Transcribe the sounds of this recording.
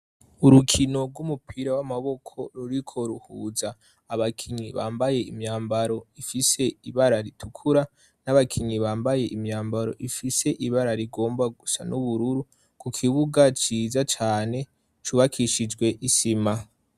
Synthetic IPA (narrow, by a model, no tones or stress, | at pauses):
uɾukʰino̞ɾɡwumupʰiɾawamaβo̞kʰo̞ɾuɾikʰo̞ɾuhuːzaː | βakʰiɲiβa̰ːmbaje̞imɲaːmbaɾo̞ifise̞iβaɾaɾitʰukʰuɾa | naβakʰiɲiβaːmbaje̞ʔimɲaːmbaɾo̞̰ʔifise̞ʔiβaɾaɾiɡo̞ːmbaɡusa̰nuβuɾuɾu | kukʰiβuɡat͡ʃiːzat͡ʃaːne̞ | t͡ʃuβakʰiʃid͡ʒɡwe̞ʔisima